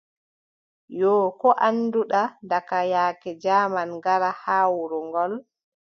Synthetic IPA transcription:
jɔːkɔʔanːduɗadakajaːkɛd͡ʒaːmanɡaɾahaːwuɾɔŋɡɔl

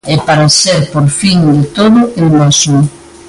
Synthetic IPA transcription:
ɛpaɾaseɾpoɾfiŋd̪et̪oðʊeŋmasu

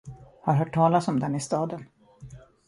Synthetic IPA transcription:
haɾɦœːʈʰːɑːlasɔmd̪ɛnɪst̪ɑːd̪ən

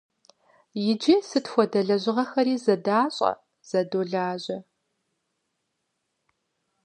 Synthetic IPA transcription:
jɪd͡ʒisɨtxʷɔdɐɮɐʑɪʁɐxɐɾiːzɐdaːɕʼɐ̰ | z̥ɐdoːɮaːʑɐ

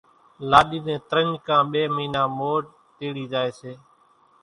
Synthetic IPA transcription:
laːɗiːnẽːt̪əɾəɲkãːɓeːmiːnãːmoːʈ | t̪eːɽiːd͡ʒaːeːseː

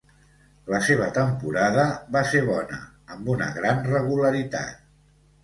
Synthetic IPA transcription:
ləseβ̞ət̪əmpuɾaðəβaseβɔnə̰ː | mbunə̰ɣɾanrəɣ̞uləɾit̪a̰t̪̚

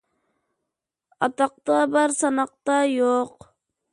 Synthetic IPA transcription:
ɑt̪ɑq̚t̪ɑbaɾsɑnɑq̚t̪ɑjoq

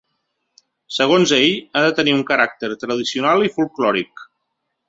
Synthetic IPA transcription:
səɣ̞onzeʎaðət̪əniuŋkəɾak̚t̪əɾt̪ɾəðisiunalˠifulˠklɔɾik

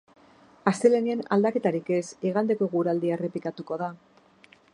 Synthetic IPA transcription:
ast̪e̞leniena̰ld̪ake̞t̪aɾike̞siɣand̪e̞ko̞ɣuɾald̪iaere̞pikat̪uko̞ð̞a

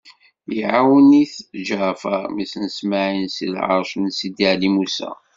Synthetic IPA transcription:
iʕawəniθʒɾfə̰misənsmaʕinsḭlʕɑ̰ɾˤʃnsid̪iʕlimusæ̰

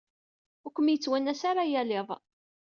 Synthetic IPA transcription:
ʊkʷːəmjət͡sːwænæsaɾajæleðˤ

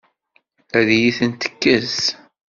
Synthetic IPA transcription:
æðjiθənt̪ə̥kːəz

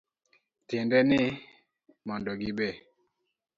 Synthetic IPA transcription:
tɪndɛnɪ | mɔndɔɡɪbe

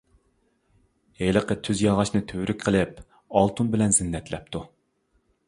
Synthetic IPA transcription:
hejlˠəqət̪ʰyzjɑlʁɑʃnɨt̪ʰøɾykʲqʰəlˠɪp̚ | ɑlˠt̪ʰunbɪlɛnzɪnːɛt̪lɛp̚t̪ʰu

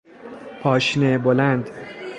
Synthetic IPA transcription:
pʰɒːʃnebolænd̪

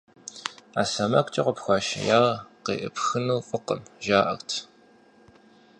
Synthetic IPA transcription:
aːsɐmɐkʷʼt͡ʃʼiqʷɔpxʷaːʃɐ̰jaːʁqeːʔɨ̰pxɨnuːfʼʊqəmʒaːʔɐ̰xtʰ

